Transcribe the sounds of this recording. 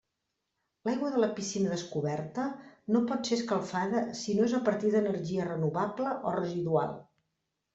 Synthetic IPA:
lajɣwəðələpisinəðəskuβɛrt̪ənopɔt̪seskəlˠfaðəsinoezəpəɾt̪iðənəɾʒiərənuβabləʔorəziðua̰lˠ

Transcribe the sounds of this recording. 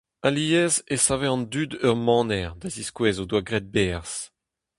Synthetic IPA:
aliɛzesaveɑ̃nd̪yd̪œʁmɑ̃ːnɛʁd̪aziskwɛːzod̪waɡʁɛd̪̚bɛʁs

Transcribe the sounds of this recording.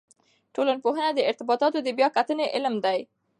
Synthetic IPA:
ʈolanpoɦənad̪əɪɾt̪ɪbɑt̪ɑt̪od̪əbjɑkat̪əneʔɪlmd̪aj

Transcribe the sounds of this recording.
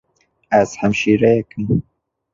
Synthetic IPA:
æz̥hæmʃiːɾɛjɛkɨm

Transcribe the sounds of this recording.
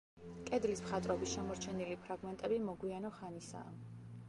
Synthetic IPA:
kʼɛd̪lismχat̪ʼɾɔbisʃɛmɔɾt͡ʃʰɛnilipʰɾaɡmɛnt̪ʼɛbimɔɡwianɔχanisa̰ː

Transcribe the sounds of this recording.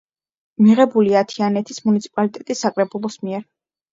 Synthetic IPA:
miʁɛbuliat̪ʰianɛt̪ʰismunit̪sʰi̥pʼalit̪ʼɛt̪ʼisːakʼɾɛbulˠɔsmiɛɾ

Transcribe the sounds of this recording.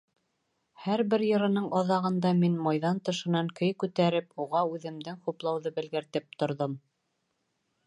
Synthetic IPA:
hæɾbɘɾjɤ̆ɾɤ̆nɤɴʔɑðɑʁɤ̆nd̪ɑminmɑjðɑnt̪ɤ̆ʃɤ̆nɑŋkɵjkʉt̪æɾɘpuʁɑʉðɘ̆md̪ɘŋχuplˠɑwðɤbɘ̆lɡɘ̆ɾt̪ɘp̚t̪ŏɾðom

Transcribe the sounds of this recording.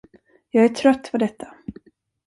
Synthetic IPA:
jɑːɡæʈʰɾœt̪ːvɔd̪ɛt̪ʰːḁ

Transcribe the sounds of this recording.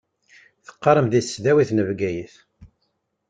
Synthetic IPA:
θə̥qːɑɾəmðisðæwiθnəvɡæjiθ

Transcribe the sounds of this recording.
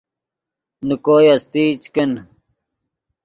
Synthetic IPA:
nukoːjɐst̪iːt͡ɕken

